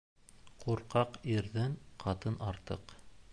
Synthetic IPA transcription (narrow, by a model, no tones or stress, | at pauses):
quɾqɑqiɾðɘɴqʰɑt̪ɤnɑɾt̪ɤq